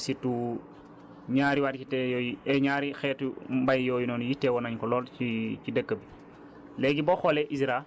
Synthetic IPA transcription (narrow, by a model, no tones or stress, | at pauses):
situ | ɲaːɾiwatitɛjɔjiɛɲaːɾixɛːtmbajjɔːjinɔːnujitːɛwɔnaɲkɔlɔːlicidəkːəbi | lɛɡibɔxɔlɛʔisɾa